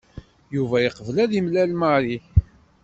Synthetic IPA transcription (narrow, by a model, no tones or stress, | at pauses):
juvæjiqəvəlæðimlælmaɾiç